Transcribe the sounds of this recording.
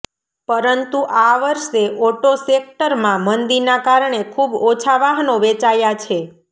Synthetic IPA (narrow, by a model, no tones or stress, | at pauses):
pəɾənt̪uʔaʋəɾʃeʔoʈosek̚ʈəɾmãmənd̪iɾnakaɾɳekʰubot͡ʃʰaʋaɦnoʋet͡ʃajat͡ʃʰe